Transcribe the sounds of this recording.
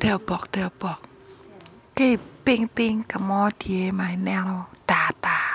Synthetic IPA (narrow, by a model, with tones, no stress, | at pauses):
t̪ɛ˧˩wbɔ˨k̚t̪ɛ˧˩wbɔ˨k̚ | ke˧˩pi˧˨ŋpi˧ŋka˨mɔ˧˦di˨e˨˦ma˨jnɛ˧ld̥aː˨˩t̪aː˧˩